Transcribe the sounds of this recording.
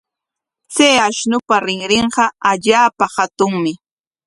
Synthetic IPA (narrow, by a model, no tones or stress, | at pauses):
t͡sejaʃnʊpaɾɪŋɾɪɴɢɑaʎaːpahat̪ʊŋmɪ